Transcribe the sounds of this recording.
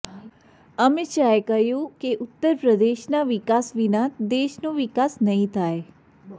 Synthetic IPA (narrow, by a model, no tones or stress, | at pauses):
əmet͡ʃaekəɦjũkeʔʊt̪ːəɾpɾəd̪eʃnaʋɪkasʋinad̪eʃnoʋɪkasnəɦĩt̪ʰae